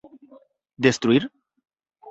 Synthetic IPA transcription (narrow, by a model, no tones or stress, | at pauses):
d̪est̪ɾuir